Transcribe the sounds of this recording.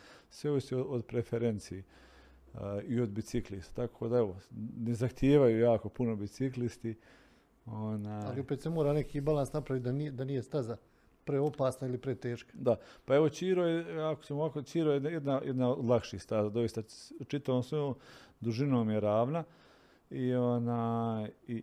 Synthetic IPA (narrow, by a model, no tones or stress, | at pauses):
sʋe̞oʋiʃt̪eood̪pɾefeɾent̪sie | io̞d̪bit̪siklist̪ḁt̪akʰoːd̪ae̞ʋo̞nezaxt̪jeːʋajuːjaːko̞punobit̪siklist̪i | onaːja̰liopet̪semoːɾaːnekiːbalˠansnapɾaʋit̪̚ʲd̪anid̪anijest̪aza | pɾeo̞paːsnailipɾet̪eːʃkḁd̪apae̞ʋot͡ɕiːɾojeakot͡ɕemoʋakot͡ʃiːɾojed̪najed̪najʔed̪naod̪lˠakʃist̪azad̪o̞ist̪at͡ʃit̪aʋoːmsʋojoːmd̪uʒinoːmjeɾaːʋna | ionaːji